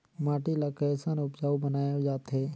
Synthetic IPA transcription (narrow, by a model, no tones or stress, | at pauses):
maːʈilakəsaːnʊpd͡ʒaːubənaːjod͡ʒaːt̪ɦeː